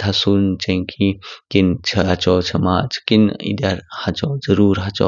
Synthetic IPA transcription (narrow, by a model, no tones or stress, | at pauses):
t̪ʰɐsunt͡ʃɐ̃kʰikint͡ʃʰɐɐt͡ʃɔːt͡ʃʰɐmaːt͡ʃʰkinḭd̪ɐɾhɐt͡ʃɔːzɐɾuːɾɦɐt͡ʃɔ̰